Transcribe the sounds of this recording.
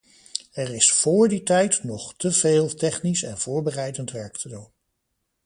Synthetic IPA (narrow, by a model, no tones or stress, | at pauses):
ɛrɪsfʊːɹditɛjtnɔχtəv̥eːlˠtɛχnisɛ̰nv̥ʊːɹbərɛjdəntʋɛɹktʰədun